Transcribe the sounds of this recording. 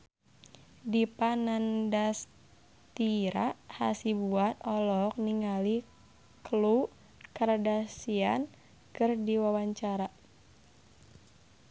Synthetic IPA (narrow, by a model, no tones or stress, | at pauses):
dipanandas | t̪iɾaha̰sibuat̪̚ɔlɔk̚niŋali | klu | kərdasian | kɨrdiwawaɲt͡ʃaɾa